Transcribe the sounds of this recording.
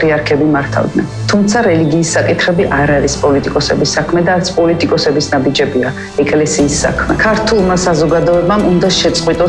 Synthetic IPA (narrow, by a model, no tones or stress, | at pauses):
ɾiaɾkʰɛbimaɾt̪ʰa̰vd̪nɛ̰nt̪ʰumt̪sʰaɾɛliɡiːsːakʼit̪ʰχɛbiʔaɾaɾispʼɔlit̪ʼikʼɔsɛbisːakʰmɛd̪aːɾt̪sʰpʼɔlit̪ʼikʼɔsɛbisnabid͡ʒɛbia | ɛkʼlɛsiːsːa̰kʰmɛkʰaɾt̪ʰulˠmasazɔɡad̪ɔɛbamund̪aʃɛt̪sʼqʼwit̪ʼɔ